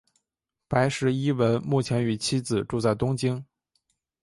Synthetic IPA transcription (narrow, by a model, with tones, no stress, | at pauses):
pa˧˥ɪʂɻ̩˧˥i˥wə˧˥nmu˥˩t͡ɕʰjɛ˧˥ny˧˩t͡ɕʰi˥d͡zɹ̩˨˩ʈ͡ʂu˥˧t͡sa˥˩ɪt̪ʊ˥ŋt͡ɕi˥ŋ